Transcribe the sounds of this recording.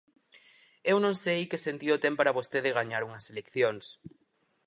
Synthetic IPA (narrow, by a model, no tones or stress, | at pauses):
ewnõŋsejkesent̪iot̪empaɾaβost̪eðɪɣ̞aɲaɾuŋɐselekθjoŋs